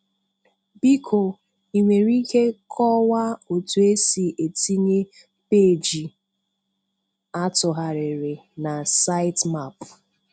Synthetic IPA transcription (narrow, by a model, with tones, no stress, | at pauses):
bi˦kʰo˨ | i˨ŋʷe˨ɾi˦ke˦kʰɔ˦wa˦o˨tu˨e˦si˨ʔe˨ti˦ɲe˦ | pe˦˨d͡ʒi˨ | a˦tʊ˨ɦa˨ɾɪ˨ɾɪ˨na˨sa˦ɪ˦tma˦˨p